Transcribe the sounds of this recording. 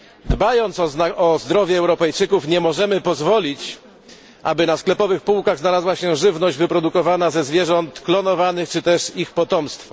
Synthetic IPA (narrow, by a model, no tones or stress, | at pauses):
d̪bajɔnt̪sɔaɔzd̪ɾɔvʲjɛːwɾɔpɛjt͡ʂɘkufɲɛmɔʐɛmɘpɔzvɔlʲit͡ɕ | ʔa̰bɘnasklɛpɔvɘxpuwkaɣznalazwaɕɛʐɘvnɔʑd͡ʑvɘpɾɔd̪ukɔvanazɛzvʲjɛʐɔnt̪klɔnɔvanɘxt͡ʂɘt̪ɛʂixpɔt̪ɔmst̪fɔ̥